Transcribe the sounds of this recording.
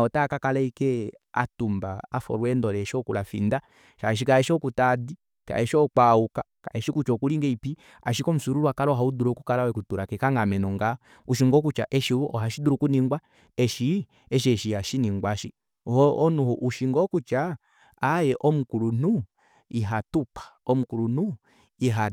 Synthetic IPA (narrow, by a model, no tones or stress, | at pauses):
ɔtakakalɛikɛ | a̰tumbaafɔ̰ɾwɛndɔlɛːʃɔkulafḭnda | ʃaʃ̬ikaɛʃɔkutadi | ka̰ɛʃɔk͡paukaka̰ɛʃikut͡ʃɔkuliŋɡɛipi | a̰ʃ̬ikɔm̩suɾuɾwakalɔɦauduɾɔkukalawɛkutuɾakɛkaŋɡamɛnɔŋɡa | uʃiŋɡɔkut͡ʃaʔɛʃiɔhaʃiduɾukuniŋɡwa | ɛʃi | ɛʃ̬iɛʃiaʃiniŋɡwaʃi | hɔɔnuhɔʔuʃiŋɡɔkut͡ʃaː | jɛʔɔmukulunu | iɦatupḁɔmukuɾunu | iɦa